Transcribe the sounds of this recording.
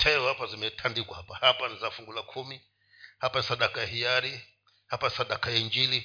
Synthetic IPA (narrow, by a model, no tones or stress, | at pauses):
tʰɛɔhapazimɛtʰandikwahapahapanizafuŋɡulakʰumi | hapanisaɗakajahiaɾi | hapanisaɗakajaiɲd͡ʒili